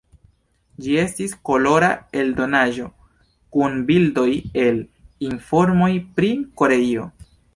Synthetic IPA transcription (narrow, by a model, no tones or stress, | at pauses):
d͡ʒie̞stisko̞lo̞ɾae̞ldo̞naʒo̞ | kunbildo̞je̞linfo̞ɾmo̞jpɾiko̞ɾe̞io̞